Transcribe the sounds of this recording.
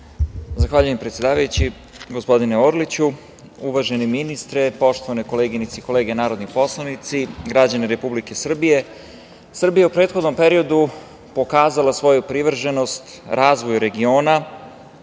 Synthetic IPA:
zaxʋaːʎujempɾet̪sje̞d̪aːʋajut͡ɕi | ɡospo̞d̪ineoɾlit͡ɕu | uʋaʒeniminist̪ɾepo̞ʃt̪oʋaneko̞leːɡinit̪seiko̞leːɡenaːɾo̞d̪nipo̞slˠanit̪siɡɾad͡ʑaneɾe̞publike̞sr̩bije̞ | sr̩bijaupɾe̞ːt̪xo̞d̪no̞mpeɾio̞d̪u | po̞kaːzalasʋo̞jupɾiʋr̩ʒeno̞st̪ | ɾʔaːzʋo̞jɾe̞ɡio̞ːna

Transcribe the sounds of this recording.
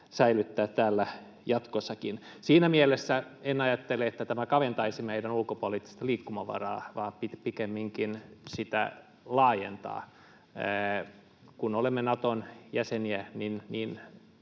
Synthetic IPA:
sæilyt̪ːæːt̪ːæːlːæ | jɑt̪kosːɑkin | siːnæmielesːæenɑjɑt̪ːeleet̪ːæt̪æmækɑʋent̪ɑisimæeidenulkopolit̪ːi̥st̪ɑliːkːumɑʋɑ̰rɑ̰ːʋɑːpit̪pikemːiŋkinsit̪æ̰ | lɑːjḛnt̪ɑ̰ː | kunolemːenɑt̪onjæseniæninniːn

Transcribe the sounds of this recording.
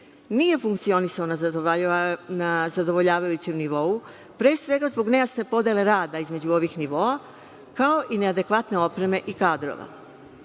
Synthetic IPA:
niːje̞fuŋkt̪sio̞nisaona | nazad̪o̞ʋo̞ʎaːʋajut͡ɕemniʋo̞u | pɾeːsʋe̞ɡazbo̞ɡne̞jasne̞po̞d̪jele̞ɾaːd̪aizme̞d͡ʑuo̞ʋixniʋo̞a | kao̞ʔine̞ad̪e̞kʋat̪ne̞o̞pɾe̞me̞ʔikaːd̪ɾo̰ʋa̰

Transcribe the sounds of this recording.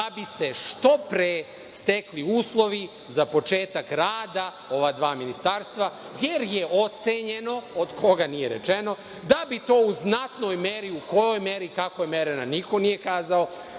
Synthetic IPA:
abise̞ʃt̪o̞pɾe | st̪ekliuːslˠo̞ʋi | zapo̞t͡ʃe̞ːt̪akɾaːd̪a | o̞ʋad̪ʋaːminist̪aɾst̪ʋa | jeɾje̞o̞t̪seɲeno̞od̪kʰo̞ɡanijeɾḛt͡ʃe̞no̞ | d̪abit̪o̞ːuznat̪no̞jmeɾiuko̞jo̞jmeɾikakojemeɾenaniko̞nije̞kaːzao

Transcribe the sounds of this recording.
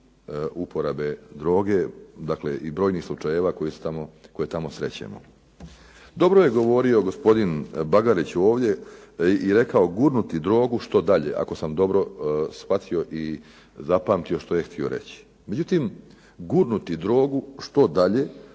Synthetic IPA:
upo̞ɾabe̞d̪ɾo̞ːɡe̞d̪akle̞̰ʔibɾo̞ːjnixslˠut͡ʃajeʋakojisu̥t̪amoko̞je̞t̪amo̞sɾe̞̰t͡ɕḛmo̰ | d̪o̞bɾoje̞ɡo̞ʋo̞ɾio̞ɡo̞spo̞d̪inbaɡaɾit͡ɕo̞ːʋd̪je̞iɾe̞kao̞ɡuɾnut̪id̪ɾo̞ːɡuʃt̪o̞d̪aʎe̞̰ʔa̰ko̞samd̪o̞bɾo̞sxʋat̪ʰio̞ʔi | zapaːmt̪io̞ʃt̪o̞je̞xt̪ʰio̞̰ɾe̞̰t͡ɕi̥ | me̞d͡ʑut̪im | ɡuɾnut̪id̪ɾo̞ːɡuʃt̪o̞d̪aʎe̞

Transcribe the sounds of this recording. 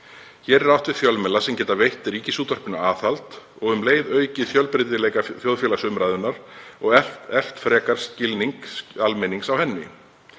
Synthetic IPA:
çɛɾɛɾawht̪vɪðθjœlmɛlasɛmcɛːt̪avejht̪ːɪɾiːcɪsuːt̪œr̥pʏnaaːθalt̪ | ɔɣʏmleːjðœːɥcɪθjœlpɾɪt̪ɪlɛːjkaθjowðfjɛlasʏmɾajðʏnːaɾɔɣɛɛl̥t̪fɾɛːkaɾ̥scɪlniŋkalmeniŋksawhɛnːɪ

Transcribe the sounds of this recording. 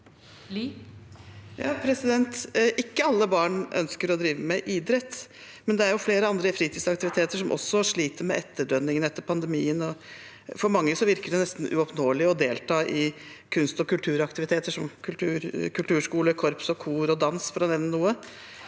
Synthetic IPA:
jɑ̰ːpʰɾɛsɪd̪ɛnt̪ʔɪkːəɑlːəbɑːɳʔœ̰nskəɾɔd̪ɾiːʋəmɛʔiːd̪ɾɛt̪ː | mɛnd̪ɛæɾjʊfleːɾəɑnd̪ɾəfɾiːt̪ʰiːd̪sɑkt̪ɪʋɪt̪ʰeːt̪əʂɔmʔɔ̰sːɔʂɭiːt̪əɾmɛʔɛt̪ːəɖœnːɪŋənɛt̪ːəɾpʰɑnd̪ɛmiːənɔ | fɔɾmɑŋːəsɔʋɪɾkəɖɛnɛst̪n̩ʉ̰ɔpnoːlɪɔd̪eːlt̪ʰɑːʔɪ | kʰʉnst̪ɔkʉlt̪ʰʉːɾɑkt̪ɪʋɪt̪ʰeːt̪əʂɔmkʰʉlt̪ʰʉːɾkʰʉlt̪ʉːʂkuːləkʰɔɾpsɔkʰuːɾɔd̪ɑnsfɔɾɑnɛnːənuːə

